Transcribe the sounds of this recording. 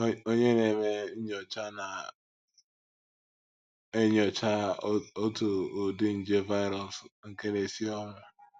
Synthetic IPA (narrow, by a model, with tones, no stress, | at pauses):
o˦ɲe˦ne˨me˦ɲɔ˨t͡ʃa˦na˨ | e˦ɲɔ˨t͡ʃa˦o˦tu˨o˨dɪ˦n̩˦d͡ʒe˦va˦ɪ˦ɾɔ˨sŋ̩˦ke˦ne˨si˦ɔ˦ŋa˨